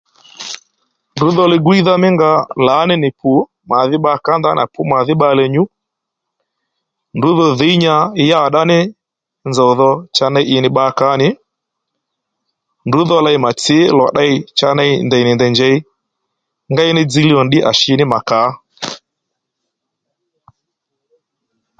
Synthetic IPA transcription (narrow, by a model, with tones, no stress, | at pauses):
ndʊ˨˦ðɔ˧lɛ˧ɡʊ˦i˦ða˦mɪ˦ŋɡa˧la˨˦nɪ˦nɪ˨pʰu˨˦ | ma˨ðɪ˦ɓa˧˦ka˦nda˦na̰˨pu˦ma˨ðɪ˦ɓa˧lɛ˧ɲu˦ | ndʊ˨˦ðɔ˧ðe˨˦ɲa˧˦ja˦˨ɗa˦nɪ˦ | nzɔ˨ðɔ˧t͡ʃa˧na˧i˦ʔɪ˧nɪ˧˦ɓa˧˦ka˨˦nɪ˨˦ | ndu˨˦ðɔ˦la˧i˨˦ma˨t͡sɪ˨˦lɔ˨ɗa˦i˧t͡ʃa˧na˧i˦ndɛ˨i˨nɪ˨ndɛ˨nd͡ʒɛ˦i˦ | ŋɡa˦i˦nɪ˦d͡zi˧li˦ɔ˨nɗɪ˦ʔa̰˨ʃɪ˦˧˦nɪ˦ma˨ka˨˦